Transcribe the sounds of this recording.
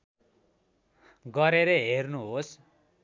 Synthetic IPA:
ɡʌɾeɾeɦernuɦos

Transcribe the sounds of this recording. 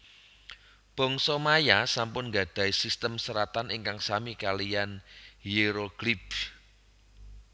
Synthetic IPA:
b̥ɔ̤ŋsɔmajasampʊnŋɡa̤d̥a̤isist̪əmsəɾat̪anʔiŋkaŋsamikalijanjeɾoɡ̥lib̥

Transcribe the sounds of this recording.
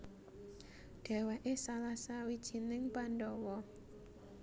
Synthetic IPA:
ɖ̥ɛ̤waʔesalasawid̥ʒ̥i̤nɪŋpanɖɔwɔ

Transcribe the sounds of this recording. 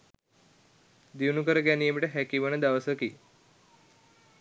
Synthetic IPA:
d̪iunukəɾəɡɛnijəmiʈəɦɛkiʋənəd̪aʋəsəki

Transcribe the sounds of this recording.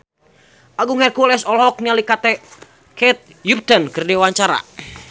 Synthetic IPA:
ʔaɡuŋhɛrkulɛsɔlɦɔk̚nialikat̪ɛ | kɛt̪̚ | jup̚t̪ənkɨrdɛwaɲt͡ʃaɾa̰

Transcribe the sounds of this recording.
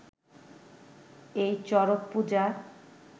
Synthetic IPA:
ejt͡ɕɔɾoppud͡ʑa

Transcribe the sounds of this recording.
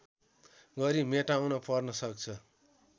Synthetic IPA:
ɡʌɾimeʈaũnʌpʌrnʌsʌk̚t͡sʰʌ

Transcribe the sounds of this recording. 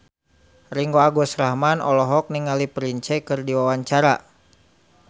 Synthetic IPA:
riŋɡoaɡɔsɾaɦmanɔ̰lɔɦɔk̚niŋalipɾiɲt͡ʃɛkɨrdiwawaɲt͡ʃaɾa̰

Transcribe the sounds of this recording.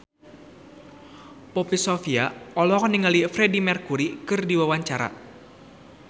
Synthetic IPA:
pɔpisofiaɔlɔkniŋalifɾɛdimɛrkuɾikɨrdiwawaɲt͡ʃaɾa̰

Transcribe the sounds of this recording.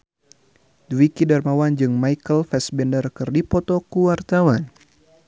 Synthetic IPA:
dwikidarmawand͡ʒɨŋmajkəlfɛsbɛndərkɨrdipɔt̪ɔkuwart̪awan

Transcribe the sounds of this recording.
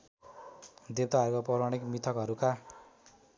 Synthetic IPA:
d̪et̪aɦaɾukapʌɾaɽikmit̪ʰʌkɦʌɾuka

